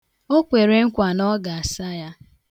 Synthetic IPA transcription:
o˦kʷe˨ɾe˦ŋ̩˦kʷa˨nɔ˦ɡa˨a˨sa˦ja˦

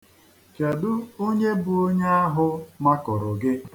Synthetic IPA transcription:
t͡ʃa˨dʊ˦o˦ɲe˦bʊ˨o˦ɲe˦a˦ɦʊ˦ma˦kɔ˨ɾʊ˨ɡɪ˦

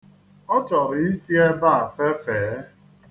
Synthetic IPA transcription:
ɔ˦t͡ʃɔ˨ɾɪ˨i˦si˦e˦ba˦a˨fe˦feː˨˦

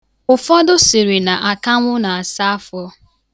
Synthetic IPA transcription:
ʊ˨fɔ˦dʊ˦si˨ɾi˨na˨ʔa˨ka˦ŋʷʊ˦na˨a˨sa˦a˦fɔ˦

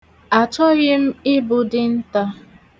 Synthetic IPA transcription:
a˨t͡ʃɔ˦ɣɪ˦m̩˦ɪ˦bʊ˨dɪ˨n̩˦ta˦

